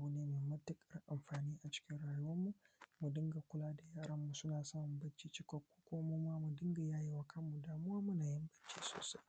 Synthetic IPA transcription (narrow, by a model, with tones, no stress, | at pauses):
bu˦neː˦meː˨mɐ˦tːɪ˦kʼɐ˦rʔa˨mɸaː˨niː˦ʔa˨t͡ʃɪ̥˦kʲɪ˦nɽaː˨jʊ˦wɐ˦mːu˨mu˨dɪ˦ŋɡa˨kʷʊ˦laː˦da˨jaː˦ɽɐ˦mːu˨sʊ˦naː˨sa˦mʊ˨mbɐ˦t͡ʃːi˦t͡ʃɪ˦kɔ˦kʷːu̥˦kʷoː˦moː˦maː˦mu˨dɪ˦ŋɡa˨jaː˦je˦wa˨kʰɐ˦mːu˨daː˨mʊ˦aː˦mʊ˦naː˨jɪ˦mbɐ˦t͡ʃːḭː˦so̰ː˨sa˦j